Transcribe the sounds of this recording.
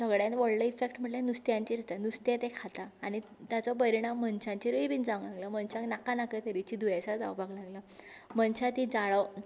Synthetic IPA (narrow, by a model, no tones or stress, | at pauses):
səɡɭjãnt̪ʋəɽləifek̚ʈm̤əʈlanust̪jãɲt͡ɕiɾt̪anust̪jet̪ekʰat̪aːɽ̃i | t̪jat͡sɔp̬əɾiɽ̃amːənt͡ɕãɲt͡ɕiɾuibiːnd͡zãŋɡlaɡləmənt͡ɕãknakanakət̪əɾit͡ɕid̪ujasad͡za̰wbʱaɡlaɡlamənɕat̪id͡zaɭəw